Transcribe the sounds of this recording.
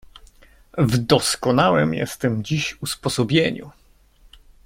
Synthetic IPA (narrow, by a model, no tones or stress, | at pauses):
vd̪ɔskɔnawɛmjɛ̰st̪ɛmd͡ʑiɕuspɔsɔbʲjeɲṵ